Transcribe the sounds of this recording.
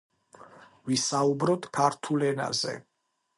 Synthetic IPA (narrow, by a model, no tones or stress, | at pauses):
visaubɾɔt̪kʰaɾt̪ʰulɛna̰zɛ̰